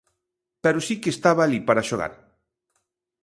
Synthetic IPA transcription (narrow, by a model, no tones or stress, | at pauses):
pɛɾʊsikest̪aβaːlipaɾaʃoɣa̰ɾ